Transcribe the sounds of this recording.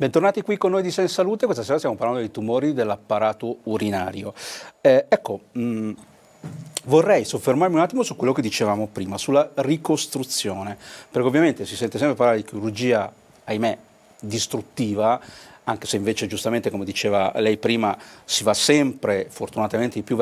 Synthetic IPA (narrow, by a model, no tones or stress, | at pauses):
bɛnt̪ornaːt̪ikwikːonːojd̪isɛnsaluːt̪ekwest̪aseːɾast̪jamopaɾland̪od̪ejt̪umoːɾid̪elːapːaɾaːt̪ouɾinaːɾjoɛɛkːo | vorːɛjsofːermarmiunat̪ːimosukwelːoked̪ːit͡ʃevaːmopɾiːmasulːarikost̪ɾut̪sːjoːnepeɾrkeovjament̪esisɛnt̪esɛmpɾepaɾlaɾed̪ik̟ʰiɾurd͡ʒiːa | ajme | d̪ist̪ɾut̪ːiːvaaŋk̟eseĩɱveːt͡ʃed͡ʒust̪ament̪ekomed̪it͡ʃeːva̰lɛjpɾiːmasivasɛmpɾefort̪unat̪ament̪eipju